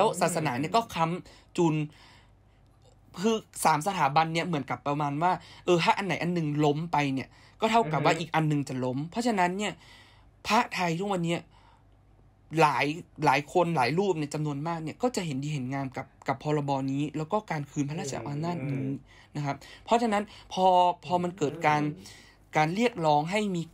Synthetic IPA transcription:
lɛː˦˥wsaː˨˩t̪̚sa˧naː˩˦ni˥˩ɐkɔː˥˩kʰa˦˥m | t͡ɕuː˧˩n | kʰɯː˧saː˩˦msa˧t̪ʰaː˩˦ba˧nːi˥˩ɐmɯ˩˦ənka˨˩pːɾa˧maː˧nwaː˥˩ʔɤː˧hʰa˦˥ʔa˧nːa˨˩˦jʔa˧nːɯ˨˧ŋlo˦˥mpa˧jni˧˥˩ɐ | kɔː˥˩t̪ʰa˥˩wka˨˩p̚waː˥˩ʔiː˨˩k̚ʔa˧nːɯ˨˧ŋt͡ɕa˨˩lo˦˥mpʰɔ˦˥t͡ɕʰa˧na˦˥nːi˥˩ɐ | pʰaː˦˥ʔt̪ʰa˧jt̪ʰu˦˥˩kwa˧nːi˦˥ɐ | laː˩˦jlaː˩˦jkʰo˧nlaː˩˦jɾuː˥˩p̚ni˥˩˨t͡ɕa˧mnu˧ənmaː˥˩k̚ni˥˩ɐkɔː˥˩t͡ɕa˨˩ɦe˩˦ndiː˧ɦe˨˩˦nŋaː˧mka˨˩p̚ka˨˩pʰːɔː˧la˧bɔː˧niː˦˥lɛː˦˥wkɔː˥˩kaː˧nkʰɯː˧npʰa˧˥a˥˩sa̰˨˦wʔaː˧naː˥˩t̪̚niː˨˦˥ | na˦˥kʰa˦˥p̚pʰːɔ˦˥t͡ɕʰa˧na˦˥npʰɔː˧pʰɔː˧ma˧nkɤː˨˩t̪̚kaː˧n | kaː˧nli˥˩ək̚lɔː˦˥ŋɦa˥˩jmiː˧

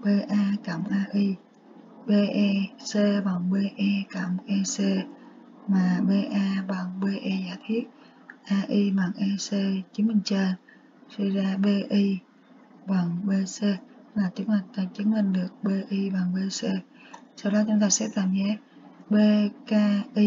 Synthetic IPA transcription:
ɓe˧ʔaː˧ka˧˩mʔaː˧ʔi˧ | ɓe˧ʔɛ˧se˧ɓa˨˩ŋɓe˧ʔɛ˧ka˧˩mʔɛ˧se˧ | maː˨˩ɓe˧ʔaː˧ɓa˨˩ŋɓe˧ʔɛ˧zaː˧˩jt̪ʰi˦˥ət̚ | ʔaː˧ʔi˧ma˨˩ŋʔɛ˧se˧t͡ɕi˨˦nmï˨˩ŋ̟t͡ɕəː˧˩ | swə˧jzaː˧ɓe˧ʔi˧ | ɓa˨˩ŋɓe˧se˧˦˥laː˨˩t͡ɕɨ˨˦ŋmï˨˩ŋ̟t̪aː˧˩t͡ɕɨ˨˦əŋmï˨˩ŋ̟ɗɨ˨˩ək̚ɓe˧ʔi˧ɓa˨˩ŋɓe˧se˧ | sa˧wɗɔ˨˦t͡ɕʊ˨˦ŋ͡mt̪aː˧sɛ̰˧˥t̪aː˧˩mzɛ˨˦˥ | ɓe˧kaː˧ʔi˧

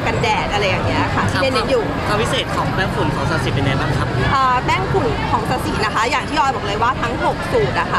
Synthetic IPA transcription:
ka˧ndɛː˨˩t̪̚ʔa˧ɾa˧jːaː˨˩ŋni˦˥ɐʔa˨˩kʰa˦˩t̪ʰi˥˧˩e˧˦nːe˦˧˥njuː˨˩kʰaː˧pʰi˦˥seː˨˩t̪̚kʰɔː˩˦ŋbɛː˥˩ŋfʰu˨˩˦nkʰɔː˩˦ŋsa˧si˨˩pe˧nːaː˧˥˦baː˥˩ŋkʰa˦˥p̚ʔaː˨˩bɛː˥˩ŋfʰu˨˩nkʰɔː˩˦ŋsa˧si˨˩na˦˥kʰa˦˥jaː˨˩ŋt̪ʰiː˥˩jɔː˧jbɔː˨˩klɤː˧jwaː˥˩t̪ʰa˦˥ŋho˨˩k̚suː˨˩t̪̚ʔa˨˩kʰa˦˩

